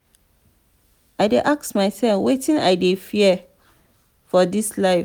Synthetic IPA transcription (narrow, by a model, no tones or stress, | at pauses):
aɪdeʔaksmaɪsɛlfwetĩna̰ɪdefiɛ | fɔdislaɪ